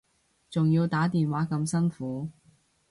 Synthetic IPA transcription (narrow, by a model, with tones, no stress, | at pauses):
t͡sʊ˨ŋjiː˧wt̪aː˨˥t̪iː˨nwaː˨˥kɐ˧msɐ˥nfuː˨˥